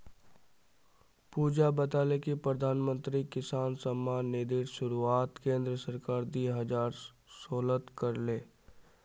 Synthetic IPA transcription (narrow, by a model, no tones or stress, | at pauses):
puːd͡ʒabət̪aːlekipɾəd̪ʱaːnmə̃nt̪ɾikɪsaːnsəmːaːnːed̪ɪɾʃʊɾuaːt̪kẽːnd̪ɾəsəɾkaːɾd̪iːɦɐd͡ʒaːɾ | soːlət̪kəɾleː